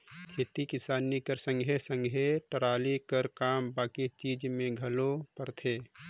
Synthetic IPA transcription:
kʰeːt̪ikɪsaːnikəɾsə̃ŋɡʱesə̃ŋɡʱeʈəɾaːlikəɾkaːmbaːkit͡ʃiːd͡ʒmẽɡʱəlopəɾt̪ʰeː

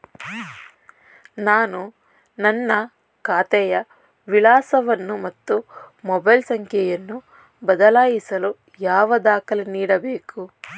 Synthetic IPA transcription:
naːnu | nɐnːɐ | kaːt̪ɛjɐ | ʋilaːsɐʋɐnːumɐt̪ːumɔbɐjlsɐŋkʰjɛjɐnːu | bɐd̪ɐlaːjisɐlu | jaːʋɐd̪aːkɐleniːɽɐbeːku

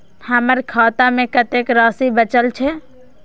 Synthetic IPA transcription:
həməɾkʰaːt̪amẽkət̪ekɾɔːsibət͡ʃəlt͡ʃʰɛ

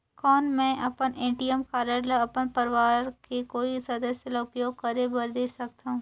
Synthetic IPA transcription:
kɔːnmɛ̃ːʔɐpənẽːʈijəmkaːɾəɾlaɐpənpɐɾɪʋaːɾkekoːisɐd̪əsjəlaʊpjoːɡ̚kɐɾebɐɾd̪eːsɐkt̪aɦũː

